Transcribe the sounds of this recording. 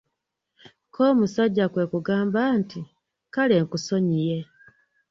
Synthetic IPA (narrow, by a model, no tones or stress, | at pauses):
kʰoːmusaɟːakwe̞ːkuɡaːmbaːnti | kale̞ːŋkuso̞ɲije